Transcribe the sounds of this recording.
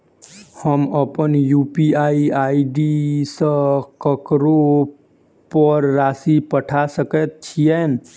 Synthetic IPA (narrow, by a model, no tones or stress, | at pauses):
həməpənjuːpiaːiaːiɖisəkəkɾo | pəɾːaːsipəʈʰasəkət̪̚t͡ʃʰijɛ